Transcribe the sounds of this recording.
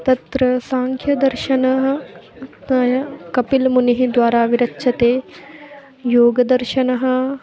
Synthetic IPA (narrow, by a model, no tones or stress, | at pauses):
t̪ɐt̪ɾɐsaːŋkʰjɐd̪ɐɾʃɐnɐɦɐ̆ | jɐkɐpilmuniɦid̪ʋaːɾaːʋiɾɐtːʃʰɐt̪eː | joːɡɐd̪ɐɾʃɐnɐɦɐ̆